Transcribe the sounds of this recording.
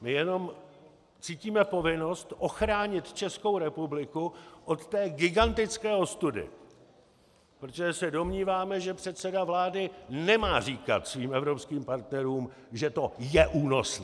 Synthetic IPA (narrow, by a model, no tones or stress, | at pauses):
mɪjɛno̞m | t͡siːciːmɛpo̞vɪno̞st̪ʔo̞xɾaːɲɪt̪t͡ʃɛsko̞wɾɛpublɪkuʔo̞t̪t̪ɛːɡɪɡant̪ɪt͡skɛːost̪udɪ̰ | pɾot̪oʒɛsɛdo̞mɲiːvaːmɛʒɛpr̝̥ɛt̪sɛdavlaːdɪnɛmaːr̝iːka̰t̪sviːmʔɛvɾo̞pskiːmpaɾt̪nɛɾuːm | ʒɛt̪o̞jɛʔuːno̞snː